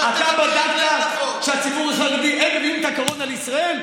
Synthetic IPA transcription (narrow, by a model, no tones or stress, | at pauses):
at̪abadakt̪aʃeat͡sibuʁzaɡd̪iʔeχevjumt̪akoʁonaleisʁael